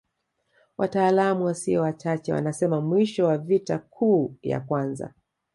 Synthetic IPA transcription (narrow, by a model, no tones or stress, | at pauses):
wataːlamuwasiɔwat͡ʃat͡ʃɛwa̰nasɛmamwiʃɔwavitakʰuːja̰kwanza̰